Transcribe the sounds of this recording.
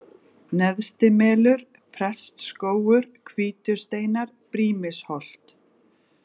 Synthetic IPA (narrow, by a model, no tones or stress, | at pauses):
nɛðst̪ɪmɛːlʏɾ̥ | pʰɾɛst̪skoːwʏɾ̥kʰviːt̪ʏɾ̥st̪eːjnaɾ | pɾiːmɪshɔl̥t̪